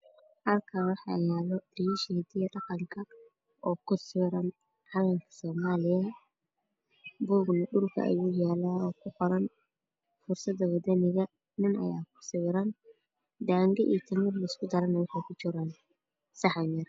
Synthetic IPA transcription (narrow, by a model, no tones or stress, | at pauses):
hɐlkʰaːwɑħɑ̰jaːlɔdiʃɛd̪ɪjɐdɐqɐŋkʰɐ | ʔɔːkʰʊsɪɾɐn | ʕɑlɐŋkʰɐ̥sɔːmaːlɪjɐ | buːɡnɐɗʊrkʰɐ̰ɐ̰juːjaːlaːɔːkʰʊqɔɾɐn | fʊrsɐd̪ɐwɐd̪ɐnɪɣɐ | nɪnɐ̰jaːkʰʊ̥sɪɾɐn | d̪aːŋɡɛʔḭːt̪ʰɐmɪrlɐɪskʰʊd̪ɐɾɐnɐwɑħɑjkʰʊt͡ʃɪɾan | sɑħaɲjɐr